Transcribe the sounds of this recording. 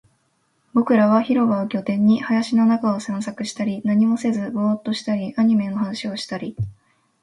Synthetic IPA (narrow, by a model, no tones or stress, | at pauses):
bo̞kɯ̟ɾaβ̞açiɾo̞baokʲo̞t̪ẽ̞ɲ̟ːihajaɕino̞nakao̞sẽ̞ɰ̃sakɯ̟ɕi̥t̪aɾʲinaɲ̟imo̞se̞zɨboːt̪ːo̞ɕi̥t̪aɾʲiʔaɲ̟ime̞no̞hanaɕio̞ɕi̥t̪aɾʲi